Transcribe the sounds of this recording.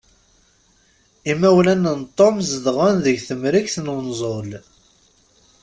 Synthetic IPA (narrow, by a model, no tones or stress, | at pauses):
imːæwlænənt̪ˤːomzəðʁʊnðəʝθəmɾikθnwnzˤol